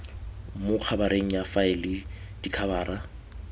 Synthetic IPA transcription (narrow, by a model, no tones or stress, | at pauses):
mʊq͡χʰabaɾeŋ̩jafaɪlɪ | d̥ikʰabaːra